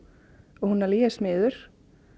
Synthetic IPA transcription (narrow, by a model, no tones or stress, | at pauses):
ɔɣhunːaɾliːɛsmɪːðʏɾ̥